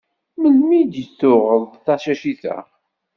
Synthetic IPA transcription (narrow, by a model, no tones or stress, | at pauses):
məlmid̪jəθːʊʁəðˤθɑʃæʃiθæ̰